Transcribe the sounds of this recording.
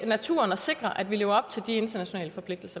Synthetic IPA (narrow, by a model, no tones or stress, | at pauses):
næt͡sʰṵːɐnɒse̝ɡ̥ʁɐʔæd̥ʋile̝ːʊɐɒ̽b̥t͡sʰe̝ld̥ie̝nd̥ɐnæɕo̝nɛ̰ːləfɒ̽pʰle̝ɡ̥̚d̥l̩sɐ